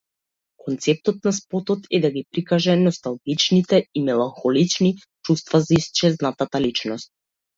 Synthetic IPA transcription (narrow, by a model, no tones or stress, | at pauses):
kɔnt̪sɛp̚t̪ɔt̪̚naspɔt̪ɔt̪ɛd̪aɡipɾikaʒɛnɔst̪alˠɡit͡ʃnit̪ɛimɛlˠaŋxɔlit͡ʃni | t͡ʃust̪vazaist͡ʃɛznat̪at̪alit͡ʃnɔst̪̚